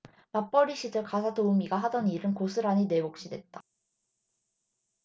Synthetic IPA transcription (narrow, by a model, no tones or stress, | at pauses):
map͈ʌɾiɕʰidɯɭkas̬ʰatoɯmiɡaɦadʌniɾɯnkosʰɯɾaɲine̞bok̚ɕ͈idwe̞t̚t͈a